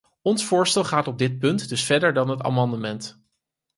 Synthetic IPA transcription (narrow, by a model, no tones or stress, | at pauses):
ɔnsfʊːɹstɛlˠχaːtɔb̚dɪt̚pɵntdɵsfɛɹdəɹdɑnɦəta̰ːmɑndəmɛnt